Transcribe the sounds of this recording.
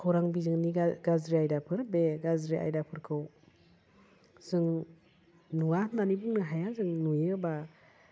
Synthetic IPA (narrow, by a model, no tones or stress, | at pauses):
kʰɯwɾaŋbizɯŋniɡazɾiajdapʰɯɾbeɡazɾiʔa̰jdapʰɯɾkʰɯw | z̥ɯŋ | nuananibuŋnɯɦajazɯŋnujɯba